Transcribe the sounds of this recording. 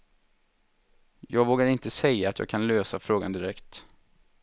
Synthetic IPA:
jɑːɡvoːɡaɾɪnt̪əsɛjːaːt̪jɑ̰ːɡkʰanløːsafɾoːɡa̰nd̪ɪɾɛkt̪

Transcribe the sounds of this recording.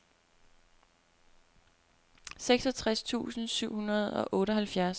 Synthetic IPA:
seɡ̥sɒ̽t͡sʰʁast͡sʰṵːsn̩syʊ̰hunɐð̞̩ˠɒ̽ʔɔ̽ːɾəɦælfjæɐs

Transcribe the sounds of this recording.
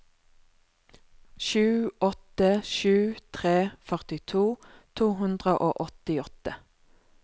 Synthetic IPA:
ʃʉːɔt̪əʃʉːt̪ʰʁeːfœʁt̪ɪt̪ʰuːt̪ʰuːɦʉnd̪ʁəʔo̰ːʔɔt̪ɪɔt̪ə

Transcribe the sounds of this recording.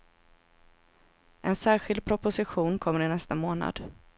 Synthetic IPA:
ʔɛnsæːɾɧɪld̪̚pʰɾʊpʊsɪɧuːnkʰɔmːəɾɪnɛst̪amoːna̰d̪̥

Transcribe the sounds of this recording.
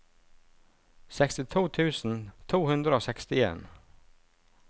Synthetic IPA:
sɛkst̪ɪt̪ʰuːt̪ʰʉːsn̩t̪ʰuːhʉnd̪ɾəoːsɛkst̪ɪḛːn

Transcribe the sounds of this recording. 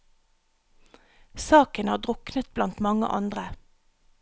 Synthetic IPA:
sɑːkənhɑːd̪ʁʊknət̪̚blɑnt̪mɑŋə̰ʔɑ̰nd̪ʁə

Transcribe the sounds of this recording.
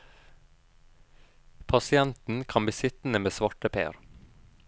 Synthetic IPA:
pʰɑsɪɛnt̪n̩kʰɑnbəsɪt̪n̩əmeːsʋɑʈəpʰḛːɾ

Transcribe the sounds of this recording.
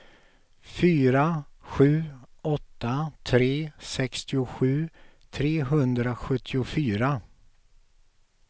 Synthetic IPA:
fyːɾaɧʉ̟ːɔt̪ːat̪ʰɾeːsɛkst̪ɪʊɧʉ̟ːt̪ʰɾeːɦɵnd̪ɾaɧɵt̪ʰːɪʊfyːɾa

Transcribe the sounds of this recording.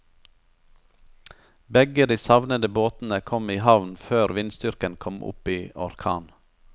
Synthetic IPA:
bɛɡəd̪iːsɑʋnəd̪əboːt̪n̩əkʰɔmiːhɑʋnføːɾʋɪnst̪ʏɾkənkʰɔmʔʊ̰piːɔ̰ɾkʰɑ̰ːn

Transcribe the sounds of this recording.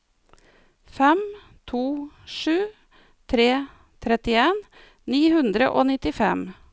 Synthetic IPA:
fɛm | t̪ʰuː | ʃʉː | t̪ʰɾeː | t̪ʰɾɛt̪ɪeːn | niːhʉnd̪ɾə̰ʔoːnɪt̪ɪfɛm

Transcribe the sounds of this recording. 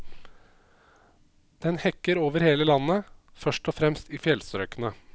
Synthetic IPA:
d̪̥ɛnhɛkːəɾoːʋəɾheːləlɑnːəfœʂʈɔfɾɛmst̪iːfjɛlsəɾœkənə

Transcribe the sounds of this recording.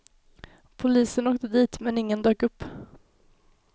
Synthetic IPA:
pʰʊliːsənoːk̚d̪əd̪iːt̪mɛnɪŋːənd̪øːkɵpː

